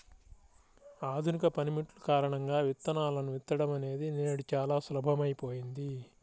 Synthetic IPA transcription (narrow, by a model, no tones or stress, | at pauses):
aːd̪ʱunikɐpɐnimiʈlukaːɾɐɳɐŋɡaːʋit̪ːɐnaːlɐnuʋit̪ːɐɽɐmɐne̞ːd̪ine̞ːɽut͡ʃaːlaːslɐbʱɐmɐjipo̞ːjind̪i